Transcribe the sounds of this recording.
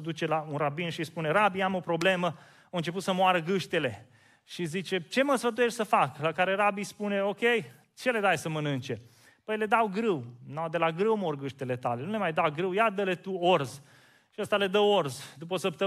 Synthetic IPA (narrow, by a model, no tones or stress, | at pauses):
d̪ut͡ʃe̞launrabinʃispune̞ɾabiamo̞pɾo̞ble̞mə | oɨnt͡ʃe̞p̬ut̪səmwaɾəɡɨʃt̪ele̞ | ʃizit͡ʃe̞t͡ʃe̞məsfət̪̬ujeʃʲsəfaklakaɾe̞ɾabispune̞o̞kʲej | t͡ʃe̞led̪ajsəmənɨnt͡ʃe̞ | pəjle̞d̪awɡɾɨwnawd̪e̞laɡɾɨwmorɡɨʃt̪ele̞t̪ale̞nule̞majd̪awɡɾɨwjad̪əle̞t̪uorz | ʃiəst̪ale̞d̪əorzd̪upəosəp̚t̪ə